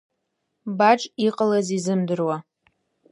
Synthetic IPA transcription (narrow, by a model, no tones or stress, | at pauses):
baʈ͡ʂʼiqʼəlazizɨmdɨrwa